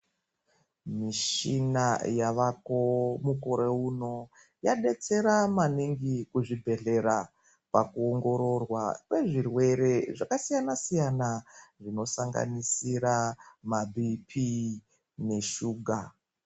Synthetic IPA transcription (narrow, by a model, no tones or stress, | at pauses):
miʃinajaʋako̞muko̞ɾeuno̞ | jaɗe̞t͡se̞ɾamaniŋɡikuʐibʱe̞ɮe̞ɾa | pakuoŋɡo̞ɾo̞rwakwe̞ʐirwe̞ɾe̞ʐakasijanasijanaʐino̞saŋɡa̰nisiɾamabʱipʰi | ne̞ʃuːɡʱa